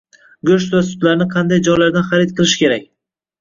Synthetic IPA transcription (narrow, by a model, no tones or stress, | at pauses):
ɡʲɵʃt̪vasʊ̥t̪laɾnɪqʰɑnd̪ajd͡ʒɒjlaɾd̪anχaɾɪt̪̚qʰɨlˠɪʃɪ̥kʲe̞ɾakʲ